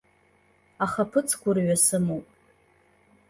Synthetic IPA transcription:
aχapʰɨt͡sʰkʷʰʊrɥasɨmowpʼ

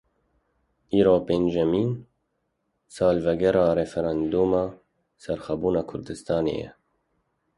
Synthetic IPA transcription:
iːɾoːpeːnʒɛmiːn | sɑːlvɛɡɛɾɑːɾɛfɛɾɑːnd̪uːmɑː | sɛɾxɛbuːnɑːkʰʊɾd̪ɨst̪ɑːnḛːjɛ̰

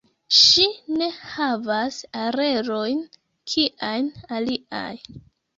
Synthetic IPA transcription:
ʃine̞havasaɾe̞ɾo̞jn | kʰiʔajnaliʔa̰j

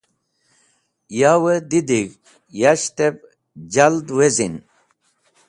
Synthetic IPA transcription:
jawəd̪id̪iɡ | jaɕt̪ep | d͡ʑald̪wezin

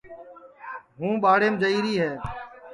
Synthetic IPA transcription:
ɦũːɓaːɽeːmd͡ʒəiːɾiːɦɛː

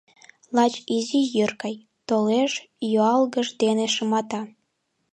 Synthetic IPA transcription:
lɑt͡ɕizijørkɑj | t̪oleʃ | joɑlɣəʒd̪eneʃəmɑt̪ɑ

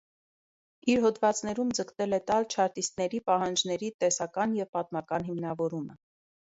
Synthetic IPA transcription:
iɾɦɔd̪vɑt͡snɛɾumd͡zəkt̪ɛlɛt̪ɑlt͡ʃʰɑɾt̪ist̪nɛɾipɑɦɑnd͡ʒnɛɾit̪ɛsɑkɑnjɛvpɑt̪̚mɑkɑnɦimnɑvɔɾumə

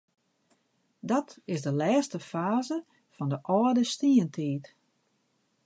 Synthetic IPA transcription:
dɔtɪsdəlɛːstəfaːzə | fɔndəʔɔədəstiəntʰiːt

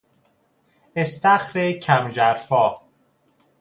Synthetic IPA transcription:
est̪æxɾecʰæmd͡ʒæɾfɒː

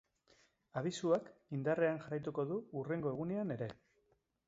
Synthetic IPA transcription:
aβ̞isuakind̪are̞anʝarajt̪uko̞ðuure̞ŋɡo̞e̞ɣ̞une̞ane̞ɾe̞

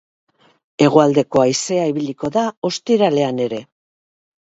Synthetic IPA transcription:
e̞ɣ̞o̞ald̪e̞ko̞ajse̞aiβiliko̞ðao̞st̪iɾale̞ane̞ɾe̞

